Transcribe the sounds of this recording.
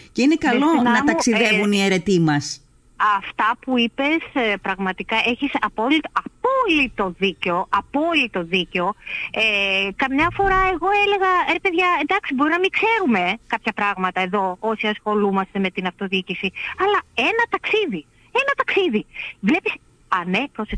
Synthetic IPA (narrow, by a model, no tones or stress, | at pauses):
ce̞inekɐlo̞nnɐmɐuksiðevunieɾe̞t̪imɐs | ɐft̪ɐpuipe̞spɾɐɣmɐt̪ikɐe̞çisɐpo̞lit̪oɐpo̞lit̪o̞ðiceo̞ʔɐpo̞lit̪o̞ðiceo̞ekɐmɲɐfo̞ɾɐe̞ɣo̞ele̞ɣɐepe̞ðʝɐend̪ɐksibo̞ɾinɐmikse̞ɾume̞kɐpçɐpɾɐɣmɐt̪ɐe̞ðo̞o̞siɐsxo̞lumɐst̪e̞met̪inɐft̪o̞ðiicisiɐlɐe̞nɐt̪ɐksiði | e̞nɐt̪ɐksiðivle̞pis | ɐnepɾose